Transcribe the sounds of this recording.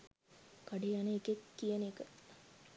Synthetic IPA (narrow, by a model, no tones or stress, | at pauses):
kaɖijanəekekːijənekə